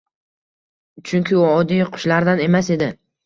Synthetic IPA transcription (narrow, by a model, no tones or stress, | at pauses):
t͡ʃʰʊŋkʲʰɪʊɒd̪ijqʰʊ̥ʃlaɾd̪ane̞mase̞d̪ɪ